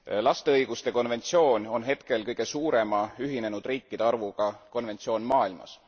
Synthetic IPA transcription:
lɑst̪eɤjɡ̥ust̪e̞ko̞nve̞nt̪sio̞ːnʲo̞nɦe̞t̪ke̞lkɤjɡ̥e̞suːɾe̞mɑyɦine̞nud̪̥riːkˑːid̪e̞ɑrvuɡ̥ɑko̞nve̞nt̪sio̞ːnmɑːilmɑ̰s

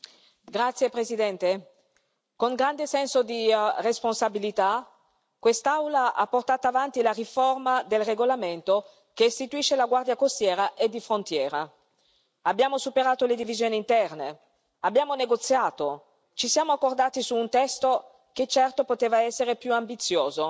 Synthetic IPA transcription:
ɡɾat̪sjepɾesid̪ɛnt̪e | koŋɡɾand̪esɛnsod̪iresponsabilit̪a | kwest̪awlaʔapːort̪aːt̪aːvant̪ilariformad̪elreɡolament̪o | keːst̪it̪uiʃːelaɡward̪jakost̪jɛːɾaʔed̪ːifɾont̪jɛːɾa | abːjaːmosupeɾaːt̪oled̪ivizjoːniːnt̪ɛrne | abːjaːmoneɡot̪sːjaːt̪o | t͡ʃisjaːmoakːord̪aːt̪isuːnt̪ɛst̪o | ket͡ʃːɛrt̪opot̪eːvaɛsːeɾepjuambit̪sːjoːzo

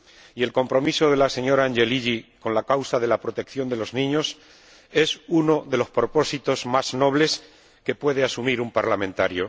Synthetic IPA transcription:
ie̞lko̞mpɾo̞miso̞ðe̞lase̞ɲo̞ɾaːnʝe̞liʎiko̞nlakawsaðe̞lapɾo̞t̪e̞kθjo̞nd̪e̞lo̞znĩɲo̞s | e̞suno̞ðe̞lo̞spɾo̞po̞sit̪o̞zmazno̞β̞le̞s | ke̞pwe̞ð̞e̞asumiɾumpaɾlamẽnt̪aɾjo̞

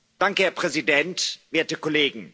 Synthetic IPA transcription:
d̥aŋkəhɛːɐpʁ̥ɛzidɛntv̥eːɐtəkʰɔleːɡŋ̩

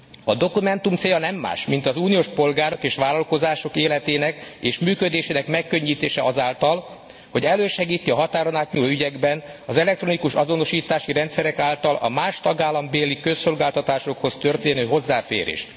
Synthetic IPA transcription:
ɒd̪o̞kumɛnt̪umt̪seːjɒnɛmːa̰ːʃmint̪ɒzuːnioːʃpo̞lɡaːɾo̞keːʃʋaːlɒlko̞zaːʃo̞keːlɛt̪eːnɛkeːʃmyːkød̪eːʃeːnɛkmɛkːø̞ɲːiːt̪eːʃɛɒzaːlt̪ɒl | ho̞ɟɛlːøːʃɛɡiːt̪ːiɒɦɒt̪aːɾonaːt̪ɲuːloːyɟɛɡbɛnɒzɛlɛkt̪ɾo̞nikuʃɒzo̞no̞ʃiːt̪aːʃiɾɛnt̪sɛɾɛkaːlt̪ɒlɒ̰maːʃt̪ɒɡaːlːɒmbeːlikøsːo̞lɡaːlt̪ɒt̪aːʃo̞kho̞st̪ørt̪eːnøːɦo̞zːaːfḛːɾḛːʃt̪

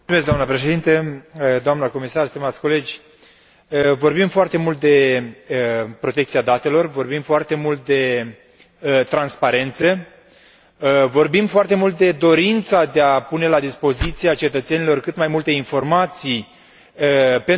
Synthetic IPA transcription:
umesk̪̚amnəpɾeʃe̞d̪int̪əd̪oamnəko̞misarst̪imat̪sʲko̞le̞d͡ʒʲ | əvo̞rbimfoart̪e̞mult̪̚d̪e̞əpɾo̞t̪e̞k̚t̪siad̪at̪e̞lo̞rvo̞rbimfoart̪e̞mult̪̚d̪e̞ | ət̪ɾanspaɾe̞nt̪sə | vo̞rbimfoart̪e̞mult̪̚d̪e̞d̪o̞ɾint̪sad̪e̞apune̞lad̪ispo̞zit̪siat͡ʃe̞t̪ət̪se̞nilo̞rkɨt̪majmult̪e̞info̞rmat̪sij | əpe

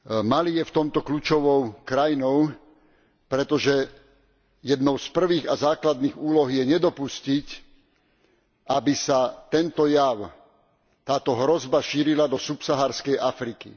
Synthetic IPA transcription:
malijɛft̪ɔmt̪ɔkluːt͡ʃɔʋɔʊkɾajinɔʊ | pɾɛt̪ɔʒɛ | jɛd̪nɔʊspr̩ʋiːɣazaːklad̪niːɣuːlɔɦjɛɲɛd̪ɔpuscic | ʔabisat̪ɛnt̪ɔjaʊ | t̪aːt̪ɔɦɾɔzbaʃiːɾilad̪ɔsupsaɦaːɾskɛjʔafɾiki

